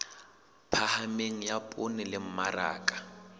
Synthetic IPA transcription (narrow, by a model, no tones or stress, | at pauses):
pʰahameŋ̩japʼʊnɪlɪm̩mara̰ːkʼḁ